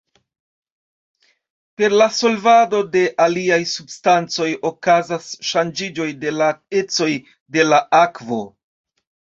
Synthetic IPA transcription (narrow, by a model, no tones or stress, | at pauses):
pe̞ɾlaso̞lvado̞de̞ʔaliajsubstant͡so̞jo̞kazasʃand͡ʒid͡ʒo̞jde̞lae̞t͡so̞j | de̞laakvo̞̰